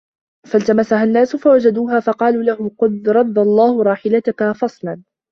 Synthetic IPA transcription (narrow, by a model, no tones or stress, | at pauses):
falt̪amasaɦanːaːsʊfawad͡ʒad̪uːɦaːfɑqɑːluːlahʊmqʊd̪ɾˤɑd̪ːɑlˤːɑːhʊɾˤɑːħɪlat̪ʊkafɑsˤlɑn